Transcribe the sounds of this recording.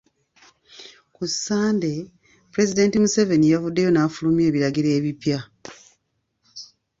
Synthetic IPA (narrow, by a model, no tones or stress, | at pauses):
kusːaːnde̞ | pɾe̞zide̞ːntimuse̞ve̞nijavudːe̞jo̞naːfulumje̞ːβiɾaɡiɾe̞ːβipja